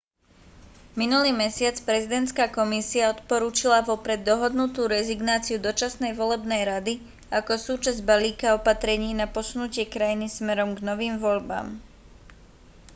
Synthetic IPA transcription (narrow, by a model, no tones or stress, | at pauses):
minuliːmɛsɪat͡spɾɛzid̪ɛnt̪skaːkɔmisiaɔt̪pɔɾuːt͡ʃilaʋɔpɾɛd̪̚ːɔɦɔd̪nut̪uːɾɛziɡnaːt͡siud̪ɔt͡ʃasnɛjʋɔlɛbnɛjɾad̪i | akɔsuːt͡ʃazɟbaliːkaɔpat̪ɾɛɲiːnapɔsunucɪɛkɾajinismɛɾɔmɡnɔʋiːmʋɔʎba̰ːm